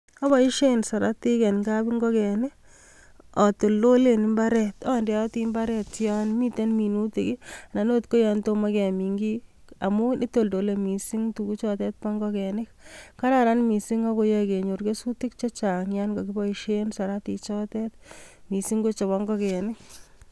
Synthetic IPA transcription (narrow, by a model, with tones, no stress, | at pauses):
ɔ˦bɔ˨i˦ʃensa˨ɾa˦ti˦kɛ˨nŋɡa˦bɪ˦ŋɡɔ˦kɛ˨nɪ˦ | ɔto˨ldo˦lenimba˦ɾɛtɔnda˨ɔ˦timba˦ɾɛ˨tt͡ʃiɔnmi˦te˦nmi˨nu˦ti˨ɡi˦ana˨no˦tko˦ja˨nto˦ma˦kɛ˨mi˨ŋɡi | a˨mu˦ni˦to˨ldo˨le˨mi˨si˦ŋtu˨ku˦t͡ʃɔ˦tɛ˦t̚pa˦ŋɡɔkɛnɪ˦k̚ka˦ɾa˨ɾa˦nmi˨si˦ŋɔ˦ko˦jɛ˦ke˨ɲo˨ɾke˦su˦ti˦k̚t͡ʃɔ˦t͡ʃa˨ŋja˦nɡɔ˨ki˦bɔ˦iʃensa˨ɾa˦ti˨t͡ʃɔ˦tɛt̚mi˨si˦ŋɡo˦t͡ʃɔ˨βaŋɡɔkɛnɪ˦k